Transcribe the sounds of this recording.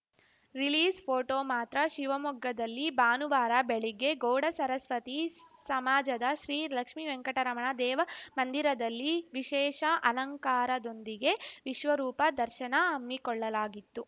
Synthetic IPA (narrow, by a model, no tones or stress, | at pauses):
ɾiliːspʰoːʈoːmaːt̪ɾɐʃiʋɐmuɡːɐd̪ɐlːibaːnuʋaːɾɐbeɭiɡe̞ɡoːɽɐsɐɾɐsʋɐt̪isɐmaːd͡ʒɐd̪ɐʃɾiːlɐkʂmiʋeŋkɐʈɐɾɐmɐɳɐd̪ɛːʋɐmɐnd̪iɾɐd̪ɐlːiʋiʃɛːʃɐʔɐnɐŋkaːɾɐd̪ond̪iɡe̞ʋiʃʋɐɾuːpɐd̪ɐɾʃɐnɐɐmːikɔɭːɐlaːɡit̪ːu